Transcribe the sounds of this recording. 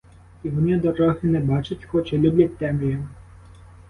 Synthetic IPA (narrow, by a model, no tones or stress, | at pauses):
iʋɔnɪd̪ɔɾɔɦɪnɛbɑt͡ʃʊtʲxɔt͡ʃɛlʲubʲlʲɐt̚ʲt̪ɛmijɔ